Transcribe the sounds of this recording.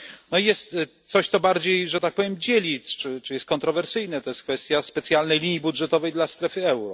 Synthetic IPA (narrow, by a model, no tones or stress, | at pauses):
nɔijɛst̪t̪sɔɕt̪sɔbaɾd͡ʑejʐɛt̪ak̚pɔvʲjemd͡ʑelʲit͡ʂɘt͡ʂɨjɛst̪̚kɔnt̪ɾɔvɛɾsɘjnɛt̪ɔjɛst̪kfɛst̪ʲjaspɛt̪sʲjalnɛjlʲiɲibudʐɛt̪ɔvɛjd̪last̪ɾɛfɘɛwɾɔ